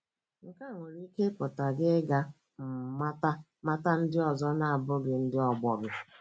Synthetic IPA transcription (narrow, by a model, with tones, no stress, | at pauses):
ŋ̩˨ka˦˨ŋʷe˨ɾi˦ke˦pʊ˨ta˨ɡɪ˦ɡa˦ | m̩˨ma˦ta˦ | ma˦ta˦n̩˦dɪ˦ɔ˨zɔ˦na˨a˨bʊ˦ɡɪ˨n̩˦dɪ˦ɔ˨ɡ͡bɔ˨ɡʊ˨